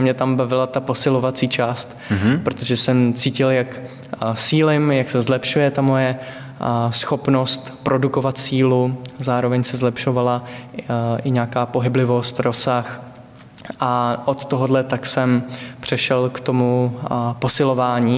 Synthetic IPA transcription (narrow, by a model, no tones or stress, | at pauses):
mɲɛt̪ambavɪlat̪apo̞sɪlo̞vat͡siːt͡ʃaːst̪ | pɾot̪o̞ʒɛsɛmt͡siːcɪljak | siːlɪmjaksɛzlɛpʃujɛt̪amo̞jɛ | sxo̞pno̞st̪pɾo̞duko̞vat̪siːluzaːɾovɛɲsɛzlɛpʃo̞vala | ʔɪɲaːkaːpo̞ɦɪblɪvo̞st̪ɾo̞sax | ʔaʔot̪t̪oɦodlɛt̪aksɛmpr̥ɛʃɛlkt̪o̞mupo̞sɪlovaːɲiː